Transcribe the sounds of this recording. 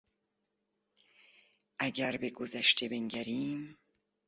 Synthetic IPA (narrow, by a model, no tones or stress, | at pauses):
ʔæɟæɾbeɡozæʃt̪ʰebe̞ŋɟæɾiːm